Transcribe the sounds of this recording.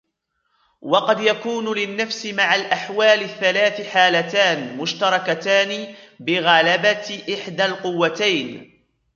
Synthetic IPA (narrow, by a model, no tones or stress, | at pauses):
wɑqɑd̪jakuːnlɪnːafsɪmaʕalʔaħwaːlɪθːalaːθɪħaːlat̪aːnmʊʃt̪ɑɾˤɑkat̪aːnɪbɪɣalabat̪ʔɪħd̪alqʊwːat̪ajn